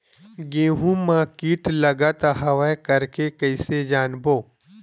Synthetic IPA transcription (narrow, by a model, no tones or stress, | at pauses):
ɡẽːɦũmãːkiːʈlɐɡat̪ɐɦɐʋakɐɾkekɐɪsed͡ʒaːnboː